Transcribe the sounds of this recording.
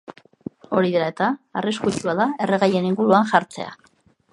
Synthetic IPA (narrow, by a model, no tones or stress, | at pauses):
o̞ɾiðeɾae̞t̪aːriskut͡ʃuaðae̞reɣaje̞niŋɡuɾuaŋʝaɾt͡se̞̰a̰